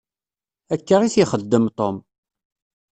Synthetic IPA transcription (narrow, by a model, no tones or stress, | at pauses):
ækːəʁiθjiχəd̪ːəmt̪ˤom